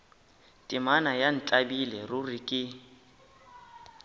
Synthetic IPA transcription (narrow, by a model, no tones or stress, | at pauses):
tʼimanajan̩t͡ɬʼabilɛrʊrɪkʼɪ